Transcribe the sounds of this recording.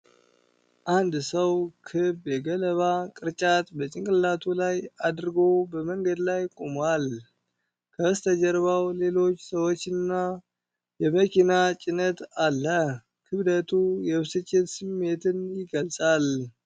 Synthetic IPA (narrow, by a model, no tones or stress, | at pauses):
ʔand̪səwkʰɨbjɛɡələβakʼɨɾt͡ʃʼat̪bət͡ʃʼɪŋkʼɨlat̪ʰulajad̪ɾɨɡo̞bəməŋɡəd̪lajkʼomal | kʰəst̪ʰəd͡ʒəɾβawle̞lo̞t͡ʃːsəwot͡ʃːɪnːa | jɛməkʰinat͡ʃʼɪnət̪alːə | kʰɨβd̪ət̪ʰujɛβsɨt͡ʃʼːɪt̪sɨmːe̞t̪ʰɨnjɪɡəlsʼal